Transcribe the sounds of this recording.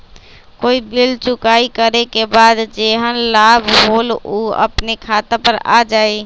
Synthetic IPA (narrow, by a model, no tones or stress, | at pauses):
koːibilt͡ʃukaikəɾekebad̪d͡ʒeɦənlabʱɦoluə̰pnekʰat̪ãpəɾa̰d͡ʒaːe